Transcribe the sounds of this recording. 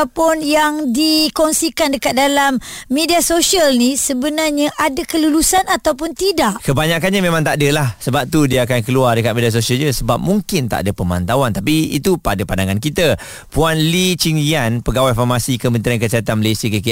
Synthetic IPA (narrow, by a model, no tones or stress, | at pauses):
pʊnjaŋdikɔŋsikandəkat̪̚dalamːediasosialnisəbənarɲaʔadakəlulusanat̪awpʊnt̪idaʔkəbaɲakanɲamemãŋt̪aʔdəlahsəbap̚t̪udiəakankəluardəkat̪̚medias̬osiəlɲəsəba̰p̚muŋkɪnt̪a̰ʔdəpəma̰nt̪awant̪apiḭt̪upadapandaŋankit̪a | puanlit͡ʃiŋianpəɡawafamasikəmə̃nt̪ɾiankəsəɦat̪anməlasiakəki